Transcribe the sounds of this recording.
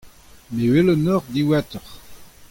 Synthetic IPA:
mewelənɔʁd̪iwat̪əʁ

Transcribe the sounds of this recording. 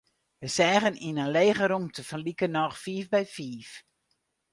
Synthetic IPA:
ʋəsɛːɣəninənleːɣəɾuŋtəfənlikənɔxfiːfbɛjfiːf

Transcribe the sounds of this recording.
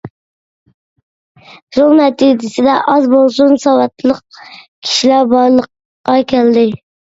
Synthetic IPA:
ɾolˠnɛt̪ʰid͡ʒɪsɪd̪ɛʔɑzbolˠsunsɑwɑt̪ʰlˠəq̚kʲʰi̥ʃilæɾbɑɾlˠəqː | ɑkʲʰɛld̪ɪ

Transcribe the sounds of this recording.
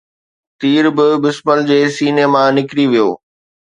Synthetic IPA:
t̪iːɾbɪbɪsməld͡ʑeːsiːneːmãnɪkɾiʋijo̰ː

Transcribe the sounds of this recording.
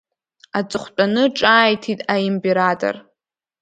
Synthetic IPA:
at͡sʼɨχʷt͡pʼanɨʈ͡ʂʼaːjtʰitʼaimpʼeɾatʼo̰r

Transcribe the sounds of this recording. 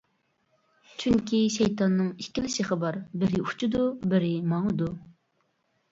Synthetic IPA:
t͡ʃʰyŋkʲʰiʃɛjt̪ɑnːɨŋikʲːilɪʃɪχəbɑɾbɪɾɪut͡ʃʰud̪ubɪɾɪmɑŋd̪u

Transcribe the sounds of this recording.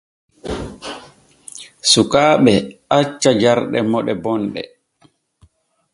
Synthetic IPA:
sukaːɓɛʔat͡ʃːad͡ʒaɾɗɛ̰mɔɗɛbɔnɗɛ̰

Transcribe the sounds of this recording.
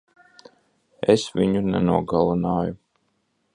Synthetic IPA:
ɛsviɲunɛnuɔɡalˠunaːju

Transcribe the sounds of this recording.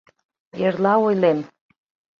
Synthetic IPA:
eɾlɑojlem

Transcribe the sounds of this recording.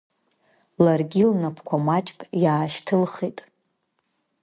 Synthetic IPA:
larɡʲilnapʰkʷʰamat͡ʃʼkʼjaːʃtʰɨlχetʼ

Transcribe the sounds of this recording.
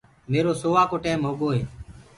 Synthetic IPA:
meːɾoːsoːʋaːkoːʈɛːmɦoːɠoːɦeː

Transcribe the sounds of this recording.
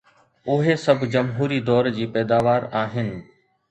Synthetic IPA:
ʊɦesɐbʱd͡ʑɐmɦuːɾid̪ɔːɾd͡ʑiːpɛːd̪aːʋaːɾaːɦɪnɪ̆

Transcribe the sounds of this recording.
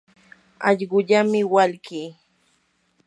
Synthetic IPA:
ɑ̰ʎɢʊʎamɪwalkiː

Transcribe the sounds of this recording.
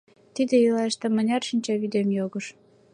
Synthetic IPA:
t̪id̪eilɑʃt̪ĕmə̆nʲɑrʃinʲt͡ɕɑβyd̪emjoɣɤ̆ʃ

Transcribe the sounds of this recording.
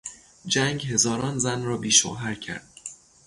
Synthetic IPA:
d͡ʒæŋɡɦe̞zɒːɾɒːnzænrɒːbiːʃo̰ːɦæɾcʰæ̰ɾd̪̥̚

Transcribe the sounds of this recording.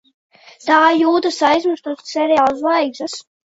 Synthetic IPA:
t̪aːjuːt̪asajzmɨst̪uɔssɛɾjaːlˠslˠajɡzas

